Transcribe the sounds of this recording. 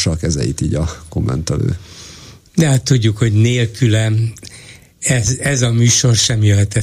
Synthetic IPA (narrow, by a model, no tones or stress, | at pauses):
ʃɒkɛzɛ̰jḭt̪iːɟɒko̞mːɛ̰nt̪ɛlø̰ː | d̪ɛɦat̪ːuɟːukho̞ɟneːlkylɛn | ɛzɛzɒmyːʃo̞rʃɛmjøɦɛt̪ɛ